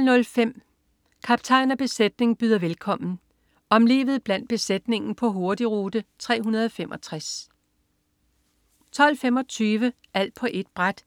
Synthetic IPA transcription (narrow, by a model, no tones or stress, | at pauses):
nɔ̽lfem̰ | kʰɑ̈b̥t͡sʰɑ̈ɪnɐb̥e̝sed̥ne̝ŋb̥yːð̞ˠɐʋelkʰɒ̽m̰n̩ | ɒ̽mle̝̰ːʋð̩ˠb̥læn̰d̥̚b̥e̝sed̥ne̝ŋn̩pʰɒ̽ɦo̝ɐd̥iʁuːd̥ət͡sʰʁɛ̰ːɦunɐð̞ˠɒfemʔɒ̽t͡sʰʁas | t͡sʰɒ̽l̰fem̰ɒ̽t͡sʰyːʋə | ʔæl̰d̥̚pʰɒ̽ʔe̝d̥̚b̥ʁad̥